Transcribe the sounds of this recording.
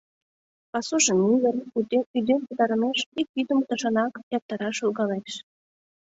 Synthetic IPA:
pɑsuʒə̆niβəryd̪empə̆t̪ɑɾə̆meʃik̚βid̪əmt̪ə̆ʃɑnɑkjɑp̚t̪ɑɾɑʃulɡɑleʃ

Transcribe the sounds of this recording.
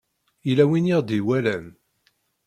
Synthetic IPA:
ilæwiniʁd̪iwælæn

